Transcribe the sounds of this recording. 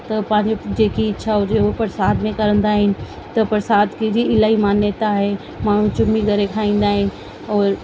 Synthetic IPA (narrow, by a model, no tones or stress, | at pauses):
t̪ɐpɐ̃ɦɪ̃ɲd͡ʑod͡ʑeːkiɪtːʃʰaʊd͡ʑeopɾəsaːd̪mẽkɐɾə̃nd̪aːɦɪnɪ̆ | t̪ɐpɾɐsaːd̪kid͡ʑiɪlaːɦimaːnjət̪aɦe | maːɳ̤ũt͡ɕʊmiɡʱɐɾekʰaːĩːn̆d̪aːɦɪnɪ̆ | ɔːɾ